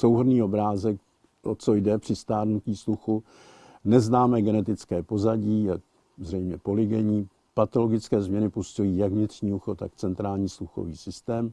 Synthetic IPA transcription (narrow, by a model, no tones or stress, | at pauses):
sowɦodniːo̞bɾaːzɛk̚ | ot͡so̞jdɛpr̥ɪst̪aːdnuciːsluxu | nɛznaːmɛːɡɛnɛt̪ɪt͡skɛːpo̞zaɟiːjak̚ | zrɛjmɲɛpo̞lɪɡɛɲiː | pat̪o̞lo̞ɡɪt͡skɛːzmɲɛnɪpustujiːjaɡvɲɪt̪r̝̥ɲiːuxot̪akt͡sɛnt̪ɾaːlɲiːsluxo̞̰viːsɪst̪ɛːm